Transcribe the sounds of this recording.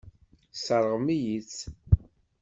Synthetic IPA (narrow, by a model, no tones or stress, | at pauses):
səɾˤʁmijit͡sː